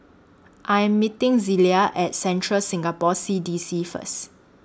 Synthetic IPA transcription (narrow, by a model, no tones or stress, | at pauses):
ʔajɛ̃mːitɪ̃ŋziliaʔɛt̚sɛ̃ntʰɹəlsĩŋɡapɔsidisifə̰s